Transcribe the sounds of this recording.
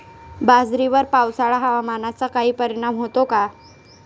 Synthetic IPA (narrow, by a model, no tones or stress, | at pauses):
bad͡zɾiʋəɾpawsaɭaɦaʋamanat͡sakaɦiːpəɾiɽ̃amɦot̪oka